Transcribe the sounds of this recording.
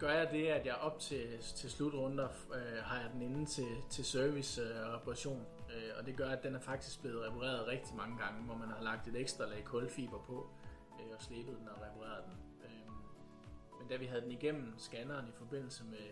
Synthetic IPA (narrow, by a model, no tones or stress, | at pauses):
ɡ̥ɶɐjɑ̈d̥e̝æd̥jɑ̈ɪʔɒ̽b̥̚t͡sʰe̝t͡sʰe̝lslud̥ʁɔ̽n̰d̥ɐ | øɦɑ̈jɑ̈ɪd̥en̩e̝n̩t͡sʰe̝t͡sʰe̝lsøɐʋisʁɛpʰɑʁɑ̈ɕo̝̰ːnøɒ̽d̥e̝ɡ̥ɶɐjæd̥enæɐfɑ̈ɡ̥̚d̥isɡ̥̚b̥le̝ːð̞̩ˠʁɛpʰɑ̈ʁḛːɐð̞ˠʁɛɡ̥̚d̥imɑ̈ŋəɡ̥ɑ̈ŋəʋɒmænhɑ̈lɑ̈ɡ̥̚d̥e̝d̥eɡ̥sd̥ʁɐlɛːɪkʰɔ̽lfḭːb̥ɐpʰɒ̽ | øɒ̽sle̝ːb̥əð̞̩ˠd̥enɒʁɛpʰɑ̈ʁḛːɐðˠd̥en | ø | mend̥æʋiɦæð̞ˠdeniɡ̥em̰m̩sɡ̥ænɐːnifɒ̽b̥e̝n̰l̩səme